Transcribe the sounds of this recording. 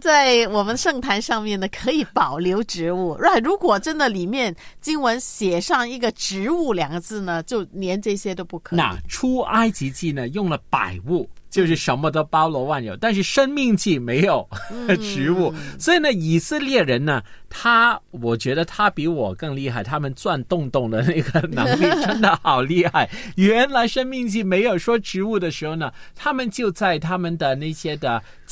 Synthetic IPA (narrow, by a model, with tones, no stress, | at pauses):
t͡sa˥˩ɪwɔ˨˩mə˦nʂɤ˥˩ŋt̪ʰa˧˥nʂɑ˥˧ŋmjɛ˥˩nd̪ə˩kʰɤ˧˥i˨˧˥pɑ˨˩ʊljo˧˥ʊʈ͡ʂɻ̩˧˥u˥˩˧a˥˩ɻu˧˥kwɔ˨˩ʈ͡ʂə˥nd̪ə˨li˨˩mjɛ˥˩nt͡ɕi˥ŋwə˧˥nɕjɛ˨˩ʂɑ˥˧ŋi˥˩ɡə˨ʈ͡ʂɻ̩˧˥u˥˩ljɑ˨˩ŋɡə˧˦t͡sɹ̩˥˩nə˩t͡ɕjo˥˩ʊnjɛ˧˥nʈ͡ʂɤ˥˧˩ɕjɛ˥t̪o˥ʊpu˥˩kʰna̰˥˧ʈ͡ʂʰu˥a˥ɪt͡ɕi˧˥t͡ɕi˥˩nə˩jʊ˥˩ŋlə˩pa̰˨˩ɪu˥˩t͡ɕjo˥˧ʊʂɻ̩˥˩ʂə˧˥nmə˧t̪o˥pɑ˥ʊlwɔ˧˥wa˥˩nɻjo˨˩ʊt̪a˥˧nʂ̬ɻ̩˥˩ʂə˥nmi˥˧ŋt͡ɕi˥˩me˧˥ɪjo˨˩˦ʊʈ͡ʂɻ̩˧˥u˥˩swɔ˧˥i˨˩nə˧i˨˩sɹ̩˥˧ljɛ˥˩ɻə˧˥nnə˧ | t̪ʰa˥wɔ˨˩t͡ɕɥɛ˧˥d̪ə˧t̪ʰa˥pi˧˥wɔ˨˩kɤ˥˧ŋli˥˧xa˥˩ɪt̪ʰa˥mə˨nt͡swa˥˧nt̪ʊ˥˧ŋt̪ʊ˥˩ŋd̪ə˩na˥˩ɪɡə˩nɤ˧˥ŋi˥˩ʈ͡ʂʰə˥nd̪ə˧xɑ˨˩ʊli˥˧xa˥˩ɪɥɛ˧˥nla˧˥ɪʂə˥nmi˥˧ŋt͡ɕi˥˩me˧˥ɪjo˨˩ʊʂwɔ˥ʈ͡ʂɻ̩˧˥u˥˩d̪ə˩ʂɻ̩˧˥xo˥˩ʊnə˩t̪ʰa˥mə˨nt͡ɕjo˥˧ʊt͡sa˥˩ɪt̪ʰa˥mə˨nd̪ə˨na˥˩ɪɕjɛ˥d̪ə˨